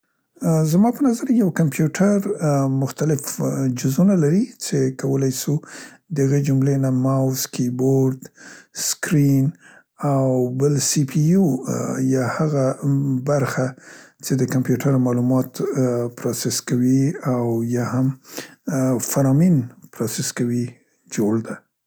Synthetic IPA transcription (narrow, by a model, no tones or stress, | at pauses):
zmɑpənazaɾjawkampjuʈʰaɾmʊxt̪alɪfd͡ʒʊzunalaɾit͡ʃekawəlajsu | d̪əhaɣed͡ʒʊmlenamawskiboɾd̪skɾin | awbəlsipʰiujɑhaɣabaɾxat͡ʃed̪əkampjuʈʰaɾmɑlumɑt̪pɾɑsɪskawiawjɑham | faɾɑminpɾɑsɪskawi | d͡ʒoɽd̪a